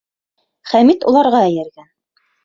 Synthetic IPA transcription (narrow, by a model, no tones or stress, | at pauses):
χæmit̪ṵlˠɑɾʁɑæ̆jɘ̆ɾɡæn